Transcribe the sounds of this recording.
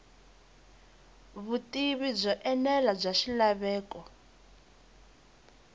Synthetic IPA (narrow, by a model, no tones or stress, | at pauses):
βutʼiβib͡ʐʷɔʔɛnɛlab͡ʐʷaʃilaβɛːkɔ